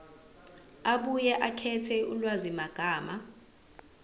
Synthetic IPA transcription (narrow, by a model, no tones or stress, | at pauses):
aɓujɛʔakʰɛtʰɛulwazimaɡ̥ʱaːma